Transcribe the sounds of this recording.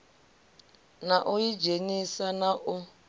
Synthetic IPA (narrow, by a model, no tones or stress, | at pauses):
naʔujid͡ʒeɲisanaʔʊ